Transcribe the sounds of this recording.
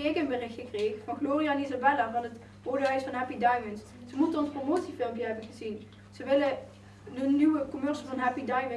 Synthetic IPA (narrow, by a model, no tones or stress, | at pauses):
ekənbərɪxtχəkreːxəfɑnχloːrijanizabɛlavɑnət | poːdəœɥsfɑnɦɛpidɑjvəns | z̥əmutənɔnspromoːtsifɪlˠmpjəɦɛbənχəzin | z̥əʋɪlə | dənːywəkɔmœɹsəvɑnɦɛpidɑjvə